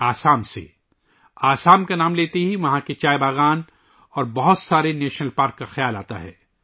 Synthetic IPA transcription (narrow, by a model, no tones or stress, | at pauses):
aːsaːmsḛ | aːsaːmkanaːmleːt̪eɦiʋɐɦãket͡ʃaːjebaːɣaːn | ɔːɾbɐɦʊt̪saːɾeneːʃnəlpaːɾkːaxjaːlaːt̪a̰ɦɛ̰ː